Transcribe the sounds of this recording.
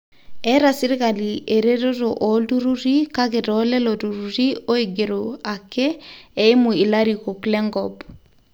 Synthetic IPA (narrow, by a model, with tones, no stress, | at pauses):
ɛ˦ɾa˨si˦ɾi˦ka˨lie˨ɾe˦ɾo˦ɾoʔɔdu˦ɾu˦ɾi˦ka˦ɣe˨ɾɔlɛ˦lɔdu˨ɾuɾi˦o˦eɡe˨ɾoa˨kɛː˦˨i˦mu˨i˨la˦ɾiko˨klɛ˦ŋɡɔb